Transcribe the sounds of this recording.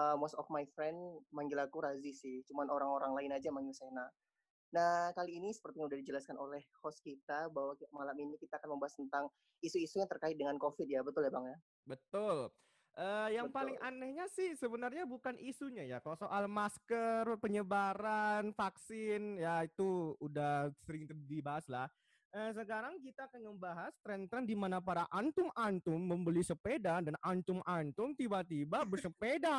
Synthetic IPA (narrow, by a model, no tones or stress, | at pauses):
əmosɔfmajfɾɛndmaŋɡilakuɾazisɪht͡ʃumanoɾaŋoɾaŋlaɪnad͡ʒamaŋɡilsena | nahkaliːnisə̥pərt̪ijaŋudahdid͡ʒəlaskanolɛhhɔskit̪abaɦwamalaminikit̪aːkanməmbaast̪ənt̪aŋ | isuisujaŋt̪ərkaɪt̪̚dəŋankofɪd̚jabət̪ʊlebaŋja | bət̪ʊl | ʔəjaŋpalɪŋʔanɛhɲasɪhsəbənarɲabukanʔisuɲajakalosoʔalmaskərpəɲəbaɾanfaksɪnjait̪uudahsəɾɪŋt̪ərdibaɦaslah | əs̬əkaɾaŋkit̪aːkanŋəmbaɦast̪ɾɛnt̪ɾɛndimanapaɾaʔant̪ʊmant̪ʊmːəmbəlisəpedadanʔant̪ʊmʔant̪ʊmt̪ibat̪ibabəsəpeda